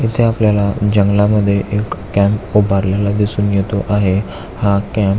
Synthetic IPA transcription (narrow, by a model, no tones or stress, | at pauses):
it̪ʰeapljalad͡ʑəŋɡlaməd̪ʱːjeʔekːɛ̃mpobʱaɾljalad̪isuːnjet̪oʔaɦe | hakɛ̃m